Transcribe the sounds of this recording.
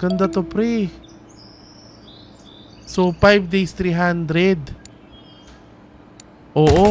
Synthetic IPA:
kɐnd̪ɐt̪opɾɛ | sopajvd̪ejst̪ɾiɦand̪ɾɛd̪ | ʔoːʔo

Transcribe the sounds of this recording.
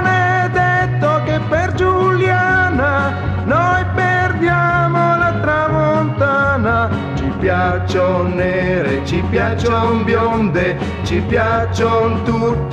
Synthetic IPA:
ned̪et̪ːokepːerd͡ʒuljana | nojperd̪jamolat̪ɾamont̪ana | t͡ʃipjat͡ʃːonːeɾet͡ʃipjat͡ʃːombjond̪e | t͡ʃipjat͡ʃːont̪ut̪ː

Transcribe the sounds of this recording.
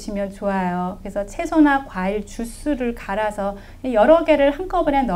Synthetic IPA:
ɕʰimjʌnt͡ɕoɦajokɯɾesʰʌt͡ɕʰe̞sʰonakwaiɭt͡ɕus͈uɾɯɭkaɾasʰʌ | ejʌɾʌɡe̞ɾɯɭhank͈ʌbɯɾenʌ

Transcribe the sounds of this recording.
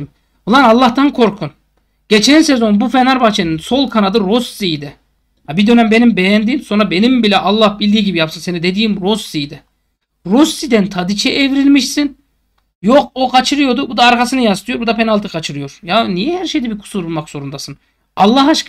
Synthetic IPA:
m | ulˠanalˠːaht̪ankʰo̞ɾkʰun | ɟ̥et͡ʃʰɛnsezo̞nbufenaɾbat͡ʃʰeninso̞lˠkʰanad̪ɯɾo̞sːijd̪ɛ | habid̪ø̞næmbe̞nimbejænd̪iːmso̞nɾabe̞nimbilʲɛʔɑlˠːahbilʲd̪iːɟibijapsɯnse̞nid̪e̞d̪iːimɾosijd̪ɛ | ɾosːid̪ænt̪ʰad̪it͡ʃʰɛʔevɾilʲmiʃsin | jok̚okʰat͡ʃʰɯɾɯjo̞d̪ubud̪aːɾkasɯnɯjast̪ʰɯjo̞ɾbud̪apʰenalˠt̪ɯkʰat͡ʃʰɯɾɯjo̞ɾjanijɛhæɾʃejd̪ɛbikʰu̥suɾulˠmakz̥o̞ɾund̪asɯn | ɑlˠːaɦaʃk

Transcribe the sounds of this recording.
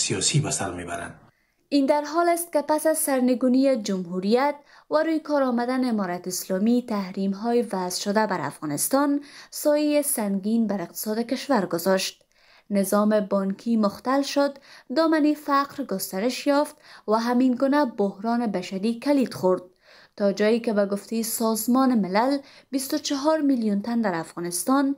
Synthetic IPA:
sijɒsibasa̰ɾmeba̰ɾa̰nd̪ | ind̪aɾɦɔlɪst̪̚kɪpasazsaɾnɪɡunied͡ʒʊmɦuɾijat̪̚ | waɾojkɔɾɔmad̪anːmɔɾat̪ɪslɔmit̪ahɾimɦɔjɪvazʃʊd̪abaɾa̰fɣɒnɪst̪ɔnsɔjijesaŋɡinbaɾɪq̚t̪ɪ̥sɔd̪ɪkɪʃwaɾɡʊzɔʃt̪̚ | nɪzɔmebɔŋkʰimʊxt̪alʃʊd̪ːɒmanifaqɾɡʊst̪aɾɪʃjɔft̪waɦaminɡunabohɾɔnebaʃaɾikalid̪xʊɾd̪̚ | t̪ɒd͡ʒɔjikebaɡʊft̪ejesɔzmɔnemɪlalbist̪ʊt͡ʃaɦɔɾmiljunt̪and̪aɾafɣɔnɪst̪ɔn

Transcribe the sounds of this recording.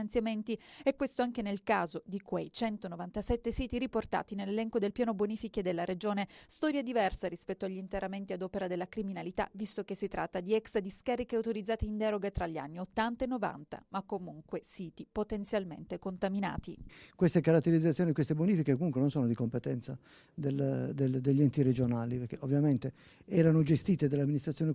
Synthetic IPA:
nt̪sjament̪iɛkwest̪oaŋk̟enelkaːzod̪ikwejt͡ʃɛnt̪onovant̪asɛt̪ːesiːt̪iɾiport̪a̰ːt̪inelːelɛŋkod̪elpjaːnoboniːfiked̪elːaɾed͡ʒoːnest̪ɔːɾjed̪ivɛrsaɾispɛt̪ːoaʎːint̪eɾament̪iad̪ɔːpeɾad̪elːakɾiminalit̪a̰vist̪okesːit̪ɾʔat̪ːad̪iɛksd̪iskaɾikeawt̪oɾid̪zaːt̪eind̪ɛːɾoɡat̪ɾaʎːia̰nːiot̪ːant̪aenːova̰nt̪a̰makːomuŋkwesiːt̪ipot̪ent̪sjalmḛnt̪ekont̪amina̰ːt̪ikwest̪ekaɾat̪ːeɾid̪zːat̪sjoːniekwest̪ebonifikekomuŋkwenonsoːnod̪ikompet̪ɛnt̪sa | d̪eld̪eld̪eʎːiɛnt̪iɾed͡ʒonaːlipeɾkeʔovːjament̪e | ɛːɾanod͡ʒest̪iːt̪ed̪elːamːinist̪ɾat̪ːjone

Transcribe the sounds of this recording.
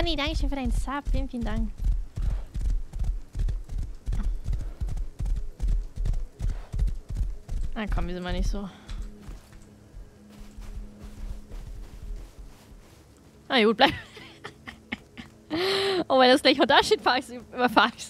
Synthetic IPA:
anidaŋkəʃøːnfyːɐdaɪnsapfiːənfiːləndaŋk | akʰɔmvizɪntmanɪçtz̥oː | ajaɡuːt̚b̥laɪ | ʔomaasɡ̥laɪçhodaʃitfaɪsybɐfaːɪçs

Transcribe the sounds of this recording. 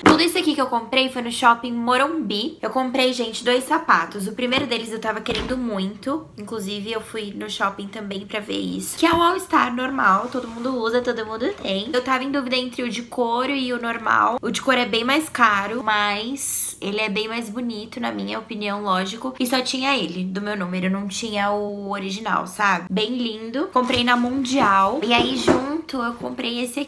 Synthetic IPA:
t̪ud̪ʊisʊakikɪewkõmpɾejfojnʊʃɔpẽj̃moɾõbiewkõmpɾejʒẽnt͡ʃɪd̪ojssapat̪ʊsʊpɾimejɾʊd̪elɪzewt̪avɐkeɾẽnd̪ʊmũj̃t̪ʊĩŋklʊzivɪewfujnʊʃɔpẽj̃t̪ɐ̃mbẽj̃pɾɐvḛɾḭsʊ̥kɪaʊawɪst̪aɾnoɾmawt̪od̪ʊmũd̪ʊuzɐt̪od̪ʊmũnd̪ʊt̪ʰẽj̃ewt̪avɐẽd̪uvid̪ɐẽnt̪ɾɪʊd͡ʒɪkoɾʊɪʊnoɾma̰wʊd͡ʒɪkoɾʊɛbẽj̃majskaɾʊmɐjs | elɪɛbẽj̃majzbʊnit̪ʊnɐmĩɲɐopiniɐ̃w̃lɔʒikʊɪsɔt͡ʃĩɲɐelɪd̪ʊmewnõmɪewnɐ̃w̃t͡ʃĩɲɐʊoɾiʒina̰wsabɪbẽj̃lĩnd̪ʊkõmpɾejnɐmũd͡ʒiawɪaiʒũnt̪ʊewkõpɾejesɪ

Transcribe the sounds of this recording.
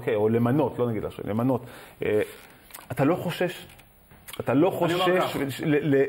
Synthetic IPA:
okejolemano̞t̪lo̞naɡid̪la̰ʃṵlemano̞t̪e | at̪alo̞χo̞ʃe̞ʃ | at̪alo̞χoʃeʃlele

